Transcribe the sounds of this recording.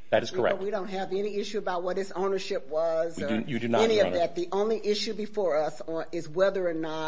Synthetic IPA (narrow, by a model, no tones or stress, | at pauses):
ðæ̰ɾɨz̥kʰə˞ɛ̰wiɾõʊ̃nt̚ɦɨvɛniɪʃʉəbaʊt̚wʌt̪̚ðɪsõʊ̃nə˞ʃɪp̚wʌziədɨjɨdɨnɛniʌvðæt̪̚ðiʔʔõʊ̃nliʔɪʃʉbɨfɔɹʌsɪzwɛðə˞ənə